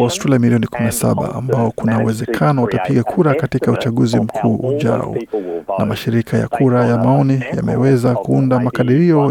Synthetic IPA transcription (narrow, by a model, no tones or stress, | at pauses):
aɔstɾɛlajamiliɔnikuminasa̰ɓa̰a̰mbaɔkunauwɛzɛkʰanɔwatapiɠakʰuɾakatikaut͡ʃaɠuzim̩kʰuːʄa̰ɔ̰namaʃiɾikʰaja̰kʰuɾajamaɔnija̰mɛ̰wɛzakuundamakaɗiɾiɔ